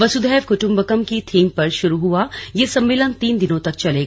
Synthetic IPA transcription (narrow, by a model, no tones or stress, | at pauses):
ʋɐsʊd̪ʱɛːʋkʊʈʊ̃mbəkəmkit̪ʰiːmpɐɾʃʊɾuɦuajeːsɐ̃mːeːlənt̪iːnd̪ɪnõt̪ɐk̚t͡ʃɐleːɡ